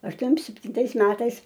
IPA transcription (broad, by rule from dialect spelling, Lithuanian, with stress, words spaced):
ɐʃˈtuɔm sʲɛpʲtʲɪnˈtɐɪs ˈmʲæːtɐɪs